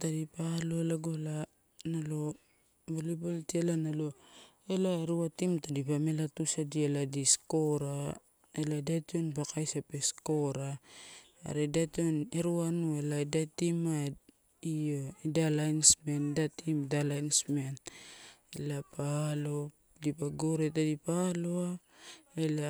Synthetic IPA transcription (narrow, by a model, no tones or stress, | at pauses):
tadipalo̞elaɡola | nalo̞ | boliboltielanalo̞ | elaeɾuatimtadipamelatusadieladisko̞ɾa | eladationbakʰajsapesko̞ɾa̰ː | ɾedationeɾuanueladatima | ijoidalajnsme̞ndatimdalajnsmen | elapalo | dipaɡoɾetadipaloa | ela